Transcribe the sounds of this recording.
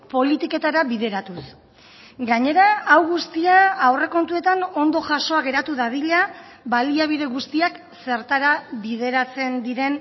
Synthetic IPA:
po̞lit̪ike̞t̪aɾaβið̞e̞ɾat̪us | ɡaɲe̞ɾaːwɣust̪iaːwre̞ko̞nt̪ue̞t̪ano̞nd̪o̞ʝaso̞aɣe̞ɾat̪uðaðiʎa | βaliaβiðe̞ɣust̪iak | se̞ɾt̪aɾaβið̞e̞ɾat͡se̞nd̪iɾe̞n

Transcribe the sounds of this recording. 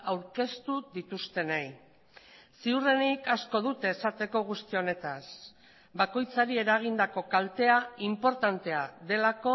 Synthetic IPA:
awɾke̞st̪uðit̪ust̪e̞nej | siure̞nikasko̞ðut̪e̞ːsat̪e̞ko̞ɣ̞ust̪io̞ne̞t̪as | bako̞jt͡saɾie̞ɾaɣ̞ind̪ako̞kalt̪e̞aimpo̞ɾt̪ant̪e̞aðe̞lako̞

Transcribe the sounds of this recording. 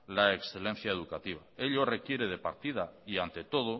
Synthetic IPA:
laeksθe̞le̞n̟θjaeð̞ukat̪iβ̞ae̞ʎo̞re̞kje̞ɾe̞ð̞e̞paɾt̪iðaiant̪e̞t̪o̞ð̞o

